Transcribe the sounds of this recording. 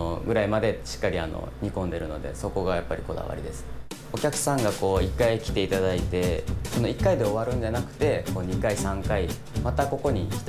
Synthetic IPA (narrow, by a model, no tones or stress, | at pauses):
ɡɯ̟ɾaimad̪e̞ɕi̥kːaɾʲia̰no̰ɲ̟ikõ̞nd̪e̞ɾɯ̟no̞̰d̪e̞̰so̞ko̞ɡajapːaɾʲiko̞d̪a̰βa̰ɾʲid̪e̞sɨ̥ | okʲakɯ̟̥sãŋɡako̞ːikːaikʲi̥t̪e̞it̪ad̪ait̪e̞so̞no̞ikːaid̪e̞o̞β̞aɾɯ̟̃ɲ̟d͡ʑanakɯ̟̥t̪e̞ko̞ːɲ̟ikaisãŋkai | mat̪ako̞ko̞ɲ̟ikʲi̥t̪